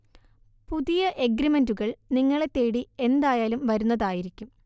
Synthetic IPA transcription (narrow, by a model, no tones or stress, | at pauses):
puðijɐʔe̞ɡɾimenduɣɐɭniŋːɐɭe̞t̪ːe̞ːɽie̞nd̪aːjaːlumʋɐɾunːɐðaːjiɾikʲːum